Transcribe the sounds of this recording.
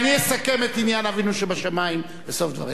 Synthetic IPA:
niesake̞met̪injanavinuʃebaʃamaim | beso̞fd̪va̰ʁi

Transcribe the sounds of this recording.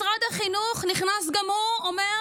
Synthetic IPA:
ʁadaχinuχnɪχnas̬ɡamoɔmɛ

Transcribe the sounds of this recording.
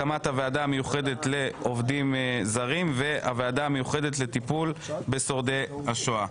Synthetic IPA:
amathaveadaːme̞juχe̞d̪e̞tle̞o̞vdimzaʁimve̞ʔa̰veadaːme̞juχe̞d̪etlet̪ipulbe̞so̞ʁd̪e̞haʃoa

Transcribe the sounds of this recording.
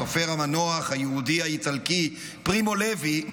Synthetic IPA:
ʁfeʁamanoaχajeudiait͡salki | pʁimo̞levi

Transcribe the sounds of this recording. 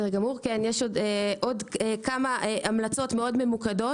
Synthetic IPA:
eʁɡamuʁkenjeʃodeʔo̞dekamaʔeʔamlat͡so̞tmeo̞dme̞mukado̞

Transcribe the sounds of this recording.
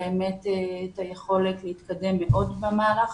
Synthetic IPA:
eemetetajeχo̞letlehit̪kade̞mːeʔo̞dbemaːʁaχ

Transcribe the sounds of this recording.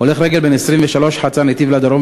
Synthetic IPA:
ole̞χɾeɡe̞lbenesʁimveʃalo̞ʃħat͡sanet̪ivlad̪aɾo

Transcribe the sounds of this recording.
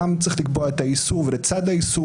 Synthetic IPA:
amzɪχdɪkbɔatajisuvɪɾət͡sadajisu

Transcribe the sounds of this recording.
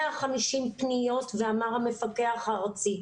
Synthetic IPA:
aχamiʃimpnijo̞tveamaʁhame̞fake̞aχaʁt͡si

